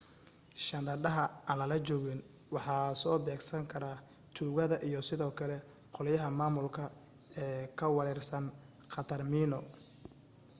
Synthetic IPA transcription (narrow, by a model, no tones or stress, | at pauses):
ʃɐnd̪ɐɖɐɦɐaːnlɐlɐt͡ʃɔːɣɪn | wɑħɑːsɔːbɛːɡsɐŋkʰɐɾaː | t̪ʰuːɣɐðɐʔijɔsɪðɔːkʰɐlɛ | qɔlɐjɐɦɐmaːmʊlkʰɐ | ɛːkʰɐwɑɾɛrsɐn | qɑt̪ʰɐrmiːnɔ